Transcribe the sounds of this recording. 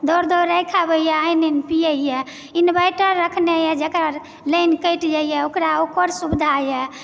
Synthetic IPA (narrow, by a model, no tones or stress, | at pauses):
d̪ɔɾd̪ɔɾəjkʰabəijɛajnenpijəijɛ | inbajʈəɾːəkʰnejɛd͡ʒekɾa | ləjnkəjʈd͡ʒaijɛokɾaokəɾsubd̪ʱajɛ